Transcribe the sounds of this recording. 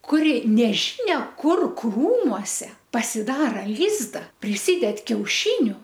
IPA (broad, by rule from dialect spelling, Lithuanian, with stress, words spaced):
kʊˈrʲɪ nʲɛˈʒʲiːnʲɛ ˈkʊr ˈkruːmuɔsʲɛ pɐsʲɪˈdɑːrɐ ˈlʲiːzdɐ pʲrʲɪˈsʲiːdʲɛt kʲɛʊˈʃʲiːnʲʊ